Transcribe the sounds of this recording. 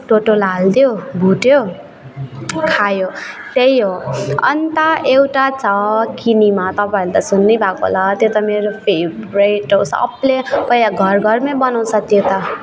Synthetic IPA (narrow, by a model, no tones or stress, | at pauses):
ʈoʈolald̪jobʱuʈjo | kʰajo | t̪ejɦoʌ̰nt̪aʔewʈat͡sʰʌkinimat̪ʌpaelet̪asunːʌjbʱakoɦo̰lat̪jot̪ʌmeɾopʰebɾejʈosʌ̰plepʌjaɡʱʌrɡʱʌrmebʌnaw̃sʰʌt̪jot̪ʌ